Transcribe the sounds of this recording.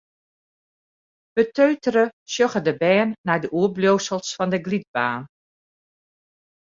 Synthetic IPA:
b̥ətøːtərəsjoxədəbɛːnːɛjdəʔuəbloːsəlˠsfɔndəɡlit̚baːn

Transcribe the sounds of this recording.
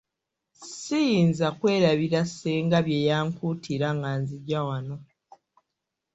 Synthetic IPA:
sijiːnzakwe̞ːɾaβiɾaseːŋɡaβje̞jaːŋkuːtʰiɾaŋɡaːnziɟawano̞

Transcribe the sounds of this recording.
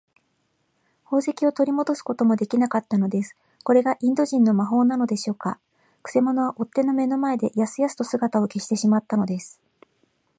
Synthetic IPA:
ho̞ːse̞kʲio̞t̪o̞ɾʲimo̞d̪o̞sɨ̥ko̞t̪o̞mo̞d̪e̞kʲinakat̪ːano̞d̪e̞sɨ̥ | ko̞ɾe̞ɡaʔĩnd̪o̞ʑĩnːo̞maɦo̞ːnano̞d̪e̞ɕo̞ːka | kɯ̟̥se̞mo̞no̞βaʔo̞t̪ːe̞no̞me̞no̞mae̞d̪e̞jasɨjasɨ̥t̪o̞sɨɡat̪ao̞ke̞ɕi̥t̪e̞ɕimat̪ːano̞d̪e̞sɨ̥

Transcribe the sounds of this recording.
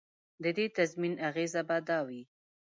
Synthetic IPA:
d̪əd̪et̪azminaɣezabad̪ɑwi

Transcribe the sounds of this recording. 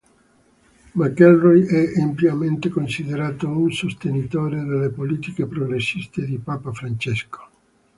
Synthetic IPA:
makːɛlrɔjɛʔampjament̪ekonsid̪eɾaːt̪ounsost̪enit̪oːɾed̪elːepoliːt̪ikepɾoɡɾesːist̪ed̪ipaːpafɾant͡ʃɛsko̥

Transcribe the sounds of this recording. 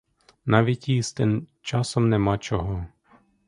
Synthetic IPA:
nɑʋʲitʲist̪ɪnt͡ʃɑsɔmnɛmɑt͡ʃɔɦɔ

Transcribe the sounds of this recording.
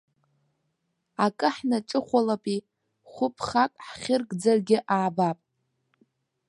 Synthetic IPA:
akʼɨħnaʈ͡ʂʼɨχʷalapʼi | χʷʊpʰχakʼħχʲɪrɡʼd͡zarɡʲɪʔaːbapʼ

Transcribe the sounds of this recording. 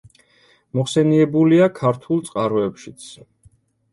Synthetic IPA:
mɔχsɛniɛbuliakʰaɾt̪ʰulˠt̪sʼqʼaɾɔɛpʃit̪sʰ

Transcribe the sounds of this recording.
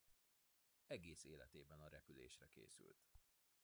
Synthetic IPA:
ɛɡeːseːlɛt̪eːbɛnɒɾɛpylḛːʃrɛkḛːsy̰lt̪

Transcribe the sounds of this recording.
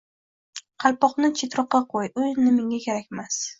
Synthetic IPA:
qʰɑlpɒχnɪt͡ʃʰet̪ɾɒqːɑqʰojʊjnɪmɪŋʲakʲeɾakʲmas

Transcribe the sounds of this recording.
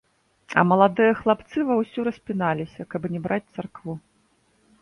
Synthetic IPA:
ɐ̰mɐlˠad̪ɨjɐxlˠapt̪sɨvɐwsʲuɾɐsʲpʲinalʲisʲɐkɐbnʲɛbɾat͡sʲt̪sarkvu

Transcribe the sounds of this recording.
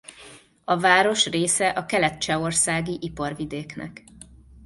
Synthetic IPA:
ɒvaːɾo̞ʃreːsɛʔɒkɛlɛt̪̚t͡ʃɛo̞rsaːɡiʔipɒrvid̪eːknɛ̰k

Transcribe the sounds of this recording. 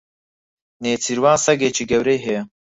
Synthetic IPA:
neːt͡sʰiɾwaːnsɐɡeːt͡ʃʰiɡɛwɾejɦɛ

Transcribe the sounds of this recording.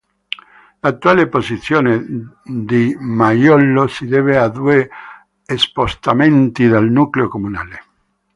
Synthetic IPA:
lat̪ːualepozit̪sjoːned̪imajɔlːosid̪ɛvead̪ueː | spost̪ament̪iðalnukleokomuna̰ːle

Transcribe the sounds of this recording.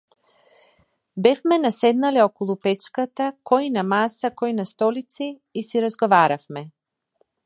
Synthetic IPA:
bɛfmɛnasɛd̪nalɛɔkɔlˠupɛt͡ʃkat̪akɔinamasakɔinast̪ɔlit̪siː | siɾazɡɔvaɾafmɛ

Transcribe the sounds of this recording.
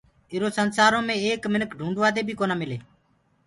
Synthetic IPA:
ɪɾoːsənsaːɾõːmẽːeːkmɪnəkɖʱũːɳɖʋaːd̪eːbʱiːkoːnaːmɪleː

